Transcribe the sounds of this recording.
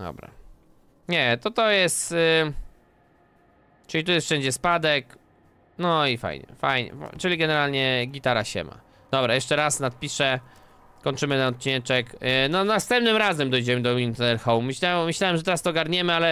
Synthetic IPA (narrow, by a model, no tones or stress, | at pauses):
d̪ɔ̰bɾa̰ | ɲɛt̪ɔt̪ɔjɛst̪ | t͡ʂɨlʲit̪ujɛsfʂɛɲd͡ʑɛspad̪ɛk | nɔifa̰jɲɛ̰fajɲɛ̰t͡ʂɘlʲiɡɛnɛɾalɲɛɡʲit̪aɾa̰ɕɛ̰ma̰ | d̪̥ɔbɾajɛʂt͡ʂɛɾasnat̪̚pʲiʂɛ | kɔɲt͡ʂɘmɘnaɔt̪̚t͡ɕinɛt͡ʂɛknɔnast̪ɛmp̚nɘmɾazɛmd̪ɔjd͡ʑɛmɘd̪ɔint̪ɛɛɾxɔwmːɘɕamːɘɕlawɛmʐɛt̪ɛɾast̪ɔɡaɾɲɛmɘalɛ